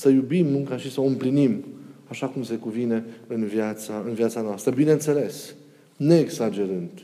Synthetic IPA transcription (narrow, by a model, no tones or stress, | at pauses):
səjubimːɨŋkaʃisəɨmplinimaʃakumse̞kuvine̞ɨnvjat̪saɨnvjat̪sanoast̪ɾəbinent̪se̞le̞s | ne̞ːɡsad͡ʒe̞ɾɨnd̪